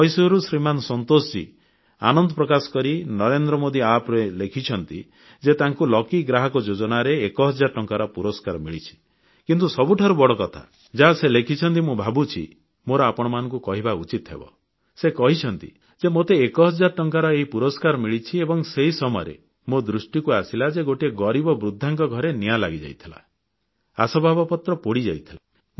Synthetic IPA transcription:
ɔjsuɾusɾimanɔsɔnt̪ost͡ʃḭ | a̰nɔnd̪ɔpɾɔkasɔ̥kɔɾinɔɾend̪ɾɔmod̪iapɾelekʰit͡ʃʰɔnt̪ḭ | d͡ʒet̪aŋkulɔkiɡɾaɦɔkɔd͡ʒod͡ʒɔnaɾeːkɔɦɔd͡ʒaɾʈɔŋkaɾɔpuɾɔskaɾmiɭit͡ʃʰi̥ | kint̪usɔbuʈʰaɾubɔɽɔkɔt̪ʰa̰ | d͡ʒaɦaselekʰit͡ʃʰɔnt̪imubʱabut͡ʃʰḭ | moɾɔapɔɽ̃ɔmanɔ̃ŋkukɔɦibaut͡ʃit̪ɔɦḛbɔ̰ | sekɔɦit͡ʃʰɔnt̪ḭ | d͡ʒemot̪eːkɔɦɔd͡ʒːaɾɔʈɔŋkaɾɔeɦipuɾɔskaɾɔmiɭit͡ʃʰiebɔŋseɦisɔmɔjɾḛ | mod̪ɾusʈikuasilad͡ʒeɡoʈieɡɔɾibɔbɾud̪ʱːaŋkɔɡʱɔɾenialaɡid͡ʒa̰jt̪ʰila̰ | a̰sɔbʱabɔpɔt̪ɾɔpoɽid͡ʒajt̪ʰila

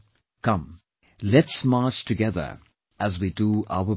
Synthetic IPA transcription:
kʰʌ̃m | lɛtsmɑːˑstʰɨɡɛðə̰˞ | ʔəzwidua̰ʊə

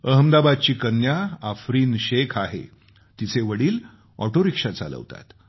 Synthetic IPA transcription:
əɦəmd̪abad̪̚t͡ɕiːkənjaːfɾiːnɕekʰaɦḛ | t̪it͡seʋəɽiːl | ɔ̰ʈoɾikʂat͡sa̰lə̰ʋt̪a̰t̪

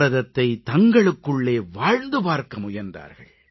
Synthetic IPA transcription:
ɐðɐt̪ːɐɪt̪ɐŋɡɐɭɯkːɯɭːeːʋaːɻnd̪ɯpaːɾkɐmʊjɐɾnd̪a̰ːɾɣɐ̰ɭ

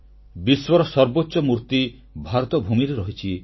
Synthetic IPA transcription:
biswɔɾɔsɔɾbotːʃɔmuɾt̪i | bʱaɾɔt̪ɔbʱumiɾeɾɔɦit͡ʃʰi

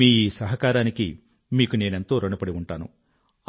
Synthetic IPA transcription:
iːiːsɐɦɐkaːɾaːniki | miːkune̞ːnent̪o̞ːɾɐɳupɐɽiuɳʈaːnṵ

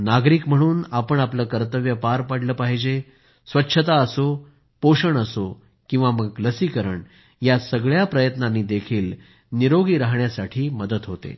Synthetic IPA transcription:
naɡɾiːkm̤əɽ̃uːnapəɳapləːkəɾt̪əʋjəpaɾpaɽləːpaɦid͡ʑe | sʋətːɕʰət̪aəso | poʂəɳəso | kĩw̃ʋaməɡləsiːkəɾəɳ | jasəɡɭjapɾəjət̪nanːiːd̪ekʰiːl | niɾoɡiːɾaɦɳjasaʈʰiːməd̪ət̪ɦot̪ḛ

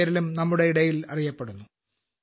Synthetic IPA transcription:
ɐɾilumnɐmːuɽe̞iɽɐjilɐ̰rijɐpːeɽunːu

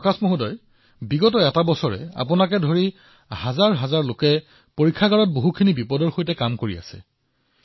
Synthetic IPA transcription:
ɔkasmoɦudɔj | biɡɔtɔɛtabɔsɔɹɛ̰a̰pʊnakɛdʱoɹi | hazaɹɦazaɹlokɛ | poɹikʰːaɡaɹɔt̚boɦukʰinibipɔdɔɹxojtɛkamkoɹia̰sɛ̰

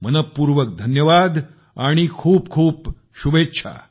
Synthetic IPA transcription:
mənət̪̚puɾʋək̚d̪ʱənjəʋad̪ | aɽ̃ikʰuːp̚kʰuːp | ɕuʋetːɕʰa̰

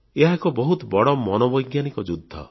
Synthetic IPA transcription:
eɦakɔbɔɦut̪ɔbɔɽɔmɔnɔbɔjɡjanikɔd͡ʒud̪ʱːɔ̰

